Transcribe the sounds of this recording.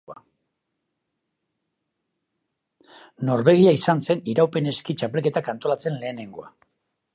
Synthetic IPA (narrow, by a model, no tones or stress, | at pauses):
a | no̞ɾβe̞ɣ̞iaisanse̞niɾawpe̞ne̞skit͡ʃape̞lke̞t̪akant̪o̞lat͡se̞nle̞ːne̞ŋɡo̞a̰